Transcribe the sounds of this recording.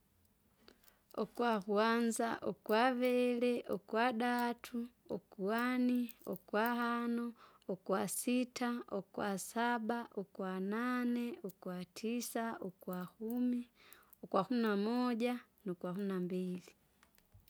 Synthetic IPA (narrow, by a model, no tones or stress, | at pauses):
ɔkwakuanzaʔɔkwavɛlɛʔɔkwaɗatʰuɔkuaniɔkwahanɔː | kwasitaɔkwasabaʔɔkwananɛɔkwatʰisaɔkwakumi | ɔkwakuminamɔɟa | nukwahuminambili